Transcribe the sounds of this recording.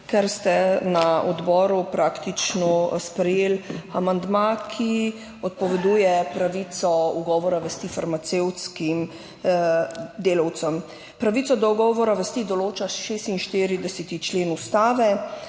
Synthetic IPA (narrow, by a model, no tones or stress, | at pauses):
kɛɾst̪ɛnaɔd̪bɔːɾupɾakt̪it͡ʃnɔspɾɛjeːlamand̪makʰi | ɔt̪̚pɔʋɛd̪uːjɛpɾaʋit̪sɔuɡɔːʋɔɾaʋɛst̪ifaɾmat̪seːwt̪skim | d̪eːlɐwt̪səm | pɾaʋit̪sɔd̪ɔuɡɔːʋɔɾaʋɛst̪id̪ɔloːt͡ʃaʃeːst̪inʃt̪iːɾid̪ɛsɛt̪it͡ʃleːnust̪aːʋɛ